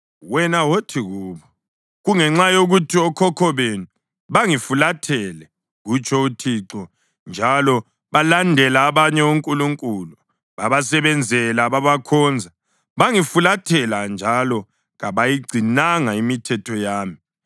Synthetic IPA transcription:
wɛnawotʰiɣuːβɔ | ɣuŋɛŋ͡ǁajoɣutʰiɔkʰɔkʰɔβenu | βaŋifulatʰɛlɛ | ɣut͡ʃʰʼɔutʰiǁɔ | nd͡ʒʱalɔ | βalandʱɛlaːβaɲɛuŋkʼuluŋkʼulu | βaβasɛβɛnd͡zʱɛlaβaβakʰɔnd͡zʱa | βaŋifulatʰɛland͡ʒʱalɔ | ɣaβajiɡ͡ǀʱinaŋaimitʰɛtʰɔjaːmi

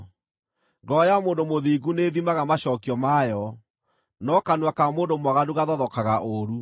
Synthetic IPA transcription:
ŋɡɔjamoːndomoðiːɡuneðimaɣamaɕɔkiɔmajɔ | nɔkanwakamoːndomwaɣaduɣaðɔðɔkaɣaʔoɾu

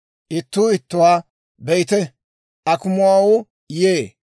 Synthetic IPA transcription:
ʔɪt̪ːʊːɪt̪ːʊwaː | bɛjɪt̪ɛ | ɐkʊmʊwaːwɔ | jeː

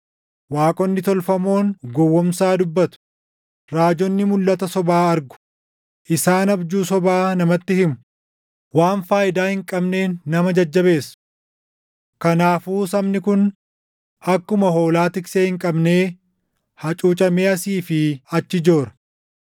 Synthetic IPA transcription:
waːkʼɔnːɪt̪ɔlfɐmo̞ːnɡɔwːɔmsaːd̪ʊbːɐt̪ʊ̥ | ɾaːd͡ʒɔnːɪmʊlːɐt̪ɐsɔbaːɐɾɡʊ̥ | ʔɪsaːnɐbd͡ʒuːsɔbaːnɐmɐt̪ːɪhɪmʊ̥ | waːnfaːʔɪd̪aːhɪŋkʼɐbne̞ːnːɐmɐd͡ʒɐd͡ʒːɐbe̞ːs | kɐnaːfuːsɐmnɪkʊn | ɐkːʊmɐɦo̞ːlaːt̪ɪkseːhɪŋkʼɐbne̞ː | hɐt͡ʃʼuːt͡ʃʼɐmeːɐsiːfɪɐt͡ʃːɪd͡ʒo̞ːɾɐ̥

